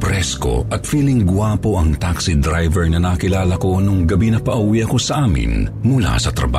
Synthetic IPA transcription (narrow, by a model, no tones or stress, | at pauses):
pɾɛsko̞̰ʔɐt̪fiːlɪŋɡwaːpo̞ʔɐŋt̪aksid̪ɾajvɛɹnɐnɐkɪlaːlɐko̞noŋɡɐbinɐpɐʔuwiʔɐko̞sɐʔaːmɪ̰nmʊla̰sɐt̪ɾɐ̰ba̰